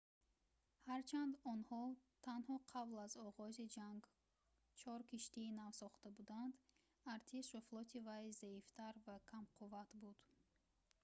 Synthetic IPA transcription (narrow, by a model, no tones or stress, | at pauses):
haɾt͡ʃʰand̪ɔnhɔt̪ʰanhɔqʰablazɔʁɔzid͡ʒaŋɡ | t͡ʃʰɔɾkʰiʃt̪iːnavsɔχt̪abud̪and̪ | aɾt̪ʰiʃvaflˠɔt̪ʰivajzaift̪ʰaɾvakʰamqʰuvat̪bud̪̥